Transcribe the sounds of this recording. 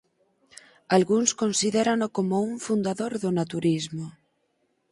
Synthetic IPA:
alɣuŋskonsiðɛɾanokomouɱfund̪aðoɾðʊnat̪uɾizmo

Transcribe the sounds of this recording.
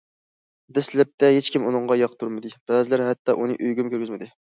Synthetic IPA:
d̪ɛslɛp̚t̪ʰɛɦet͡ʃkʲimunɨŋʁɑjɑqt̪ʰuɾmɨd̪ɨb̥ɛzɪlæɾɦɛt̪ːɑʔunɨʔyjɡʲymkʲøɾɡʲɪzmɪd̪ɪ

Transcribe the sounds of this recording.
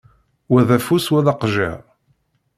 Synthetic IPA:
wæðæfuswæðɑqʒə̰

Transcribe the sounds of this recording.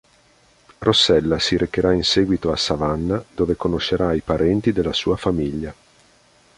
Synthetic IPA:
rosːɛlːasiɾʔekːeɾainsɛːɡwit̪oasavanːad̪oːvekonoʃːeɾaipaɾʔɛnt̪id̪elːasuːafamiʎːa

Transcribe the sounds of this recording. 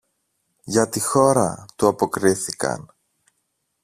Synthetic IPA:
ʝɐt̪ixo̞ɾɐt̪uɐpo̞kɾiθikɐ̰n

